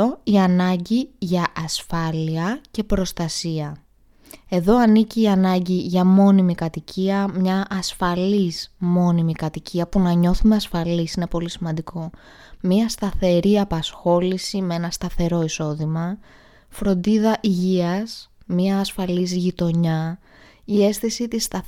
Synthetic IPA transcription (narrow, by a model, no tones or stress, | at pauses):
oiɐnɐɲɟiʝɐʔːsfɐliɐcepɾo̞st̪ɐsiɐ | e̞ðo̞ɐniciːɐnɐɲɟiʝɐmo̞nimikɐt̪icʰiɐmɲɐʔːsfɐlismo̞nimikɐt̪iciɐpunɐɲo̞θume̞ɐsfɐlisine̞po̞lisimɐnd̪ikʰo̞ | miɐst̪ɐθe̞ɾiɐpɐsxo̞lisimee̞nɐst̪ɐθe̞ɾo̞iso̞ðimɐ | fɾo̞nd̪iðɐʔiʝiɐsmɲɐːsfɐlizʝit̪o̞ɲɐ | ie̞sθisit̪ist̪ɐ